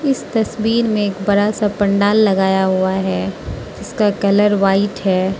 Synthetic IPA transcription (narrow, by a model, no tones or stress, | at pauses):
ɪst̪ɐsbiːɾmẽːkbɐɾasapɐ̃ɳɖaːlːɐɡaːjaɦuaɦɛː | d͡ʒɪskakɐləɾʋaːɪʈɦɛː